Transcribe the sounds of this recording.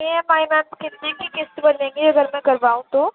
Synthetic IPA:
eɦɛ̃maːjmɛːmkɪt̪nekikɪst̪bɐnẽːŋɡiɐɡəɾmɛ̃kɐɾbaːũt̪oː

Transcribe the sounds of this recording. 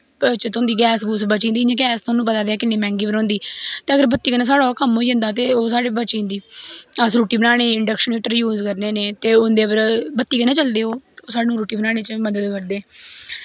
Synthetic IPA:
t͡ʃət̪oʊ̃nd̪iːɡɛːsɡuːsbət͡ʃĩndiːãːɡɛːst̪oːnːũːpət̪aːd̪eɛːkɪnːeːmɛ̃ːŋɡiːbənõːnd̪iːt̪eːəɡəɾbət̪ːiːkənaːs̬aːɽaːkəmɦoːid͡ʒɪ̃nd̪aːt̪̬eːoːs̬aːɽeːbət͡ʃĩːnd̪iːəsɾuːʈiːbənaːɽ̃eːɪɳɖəkʃəneːʈəɾjuːzkəɾneːneːt̪eːʊnd̪eːpəɾbət̪ːiːkːnãːt͡ʃəld̪eːoːoːsaːɽeːnũːɾuːʈiːbənaːɽ̃eːt͡ʃəməd̪əd̪kəɾd̪eː

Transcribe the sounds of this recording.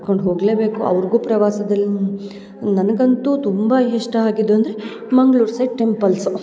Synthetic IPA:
ko̞ɳɖɦo̞ːɡle̞ːbe̞ːkuɐ̰ʋɐɾɡuːpɾɐʋaːsɐd̪ɐlːi | nɐnɐɡɐnt̪uːt̪umbɐɦeʂʈɐaːɡid̪ːuɐnd̪ɐɾe | mɐŋɡɭuːɾsɐjɖʈe̞mpɐlsu

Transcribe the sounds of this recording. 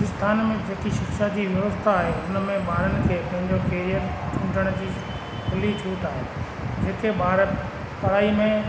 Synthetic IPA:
ɪst̪ʰaːnmẽd͡ʑeːkiʃɪkʃad͡ʑiːʋjɐʋəst̪ʰaaːɦeʊnəmẽɓaːɾənɪ̆kʰeːpɐ̃ɦɪ̃ɲd͡ʑokeːɾijətt͡ɕʰũːʈəɽ̃d͡ʑiː | ɦɪlit͡ɕʰuːt̪aːɦe | d͡ʑeːkeɓaːɾə | pɐɽaːimẽ

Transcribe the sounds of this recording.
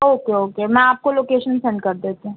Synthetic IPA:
oːkeoːkemɛ̃aːp̚koloːkeːʃənsɛ̃ɳɖ̚kɐɾd̪eːt̪eũ

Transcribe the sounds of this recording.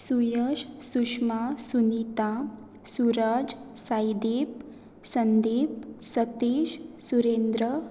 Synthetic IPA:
sujəɕsuʂmasunit̪a | suɾad͡z | sajd̪ep̚ | sənd̪ep̚sət̪eʃsuɾend̪ɾə

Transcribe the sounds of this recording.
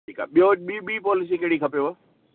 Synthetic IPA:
iːka̰ːɓijoɓiɓiːpɔːlɪs̬ikeːɽikʰɐpjoa

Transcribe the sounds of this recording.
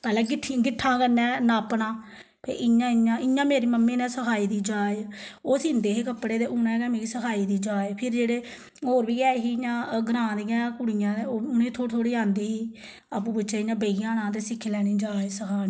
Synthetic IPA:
pɛːlɛ̃ːɡɪʈʰɡɪʈʰːãːkəɾnɛ̃ːnãːpnãː | pʰḛːʔɪɲãːɪɲãːɪɲãːmeːɾiːməmːẽːnɛ̃ːsəkʰaːiːd̪iːd͡ʒaːeoːsind̪eːɦeːkəpːɽeːd̪eːʔʊnɛ̃ːkɛːmeːɡiːsəkʰaːiːd̪iːd͡ʒaːeːpʰɪɾd͡ʒeːɽeː | oːɾʋiːɡɛːɦiːjãːɡɾãːd̪iːãːkʊɽijãːd̪eʊnẽːt̪ʰoːt̪ʰoːɽiːãːnd̪iːɦiː | aːp̬ũːpʊt͡ʃeːɪjãːbeːɪjãːnãːt̪̬eːsɪkʰːlɛːɽ̃ĩːd͡ʒaːeːsəkʰaːniː

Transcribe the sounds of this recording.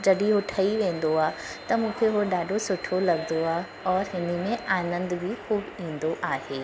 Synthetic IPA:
d͡ʑɐɗiɦoʈʰɐiʋẽːn̆d̪oaːt̪ɐmũːkʰeɦoɗaːɖʱosʊʈʰolɐɡnd̪oaː | ɔːɾɦɪnə̆mẽaːnə̃nd̪bʱixuːbĩːnd̪oʔaːɦeː

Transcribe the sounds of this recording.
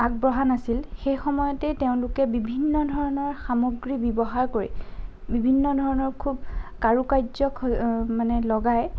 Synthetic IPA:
ak̚bɹɔɦanasilxejxɔmɔjɔtɛteʊ̃nlʊkɛbibʱinːɔdʱɔɹɔnɔɹxamoɡɹibibɔɦaɹkoɹḭbibʱinːɔdʱɔɹɔnɔɹkʰubkaɹukajzɔkʰmanɛlɔɡaj

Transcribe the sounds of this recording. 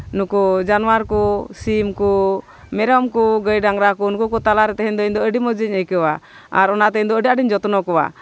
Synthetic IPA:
nukud͡ʒanuwaɾkɔsimku | mɛɾɔmkuɡəjɖaŋɾakɔunkukɔt̪alaɾɛt̪ɛɦɛɲd̪ɔiɲd̪ɔəɖimɔd͡ʒiɲəjkəwa | aɾɔnaʔt̪ɛiɲnd̪ɔəɖiaɖiɲd͡ʒɔt̪ɔnɔkɔwa̰

